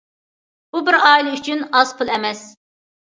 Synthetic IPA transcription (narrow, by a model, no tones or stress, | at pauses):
b̥ubɪɾɑːjlˠɨyt͡ʃʰynɑz̥pʰulˠɛmɛs